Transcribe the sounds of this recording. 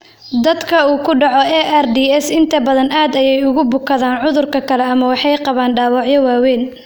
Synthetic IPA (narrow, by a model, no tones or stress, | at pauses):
d̪ɐd̪kʰɐuːkʰʊɖɑʕɔɛʔɛrd̪iːɛsɪnt̪ʰɐbɐðɐnaːd̪ɐjɛjʊɣʊbʊkʰɐðaːnʕʊðʊrkʰɐkʰɐlɛɐmɐwɑħɑjqɑβaːnɖaːwɑʕjɐwaːwɛːn